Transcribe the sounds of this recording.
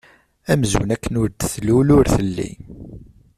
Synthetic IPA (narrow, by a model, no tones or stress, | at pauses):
æmzṵnækːənʊɾd̪θlulʊɾθəlːḭ